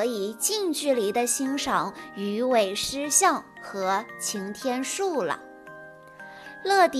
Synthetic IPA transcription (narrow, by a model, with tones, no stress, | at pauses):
i˨˩t͡ɕi˥˧ŋt͡ɕy˥˩li˧˥d̪ə˧ɕi˥ŋʂɑ˨˩˥ŋy˧˥we˨˩ɪʂɻ̩˥ɕjɑ˥˩ŋ | xɤ˧˥t͡ɕʰi˧˥ŋt̪ʰjɛ˥nʂu˥˩lə̰˩ | lɤ˥˩t̪